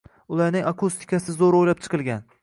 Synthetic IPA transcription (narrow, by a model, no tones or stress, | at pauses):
ʊlˠaɾnɪŋakʰust̪ʰɪ̥kʰʲasɪzoɾojlap̚t͡ʃʰɨ̥qʰɨlˠɡʲan